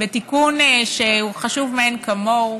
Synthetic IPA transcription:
betikunʃeuχaʃuvmeenkamo

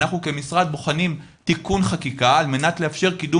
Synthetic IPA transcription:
aχnuke̞misʁad̪̚boχanim | tikunχakikaːlme̞natleafʃe̞ʁkidu

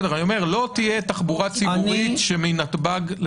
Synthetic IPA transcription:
deajome̞ʁlo̞t̪ijet̪aχbuʁat͡sibuʁit̪ʃeminat̪baɡl

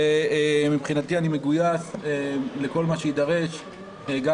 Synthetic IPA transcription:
mipχinat̪ianime̞ɡujasele̞ko̞lmaʃeid̪aʁe̞ʃ | eɡa

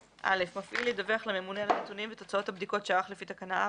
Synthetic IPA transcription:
ʔa̰le̞fmafʔilid̪aveaχlamemunealanet̪unimvet̪o̞t͡sao̞t̪habd̪iko̞tʃeaaχlefit̪akanaʔa

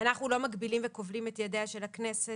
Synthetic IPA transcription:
anaχnulo̞maɡbilimveko̞vlimetjadeaʃe̞laknese

